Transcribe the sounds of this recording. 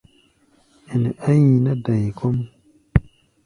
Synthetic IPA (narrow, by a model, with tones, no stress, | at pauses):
i˨ni˨ʔa˦ji˨na˦da˨jkɔ˦m